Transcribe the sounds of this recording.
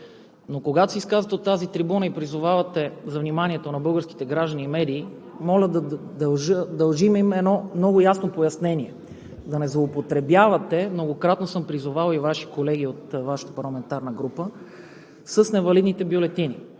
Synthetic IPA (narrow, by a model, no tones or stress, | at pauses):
nokoɡat̪o̥siskazət̪ɛot̪ːazit̪ɾibunəipɾizʊvavɐt̪ɛzɐvnimaniɛt̪onɐbɤlˠɡəɾski̥t̪ɛɡɾaʒd̪əniːmɛd̪iː | mɔlʲəd̪ɐd̪ɐʒəd̪ɐlˠʒimimɛnɔmnɔɡʊjasnopojɐsnɛniɛ | d̪ɐnɛzlˠoːpot̪ɾɛbjavɐt̪ɛmnoɡokɾat̪nosɤmpɾizʊvalˠivaʃi̥kolɛɡiot̪vaʃə̥t̪ə̥pɐɾlˠɐmɛnt̪aɾnəɡɾupə | səsnɛvɐlid̪nit̪ɛbjolɛt̪ini